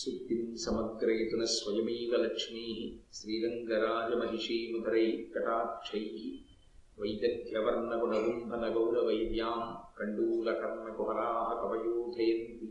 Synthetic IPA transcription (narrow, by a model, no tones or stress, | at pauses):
sut̪insɐmɐɡɾɐjt̪unɐsʋɐjɐmiːʋɐlɐkʂniːɦiʃɾiːɾɐŋɡɐɾaːd͡ʒɐmɐɦiʃiːmud̪ɐɾɐjkɐʈaːt̪t͡ʃʰɐjki | ʋɐjd̪ɐd̪jɐʋɐɾnɐkunɐʋumbʱɐnɐɡɐwlɐʋɐjd̪jaːmkɐɳɖuːlɐkɐɾmɐkuɦɐɾaːɦɐkɐbɐjuːd̪ʱɐjɐnt̪i